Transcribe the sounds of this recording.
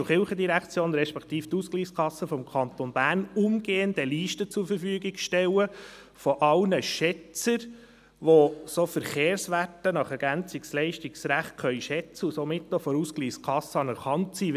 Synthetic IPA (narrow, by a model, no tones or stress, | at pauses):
ʊχɪlχəd̪iɾækt͡sjoːnɾɛʃpɛkt̪iːft̪uskliːskʰɑsːəfɔmkʰɑnt̪onb̥æːrnʊmɡ̥eːənd̥ɛliːʃtət͡suɾfəɾfyəɡiɡʃtɛlə | fɔʔɑlnəʃɛt͡səɾ | ʋosofəɾχeːɾsʋætənɑχɛɾɡ̥ænt͡sikslɛɪʃtiksɾæχt̚kʰœʏʃɛt͡səusomɪtːofɔɾuskliːskʰɑsːəɑnəɾχɑntsi